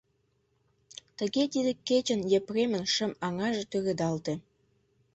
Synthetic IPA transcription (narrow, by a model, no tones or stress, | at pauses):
t̪ə̆ɣet̪id̪ekːet͡ɕə̆njepremənʃə̆mɑŋɑʒĕt̪øɾed̪ɑlt̪e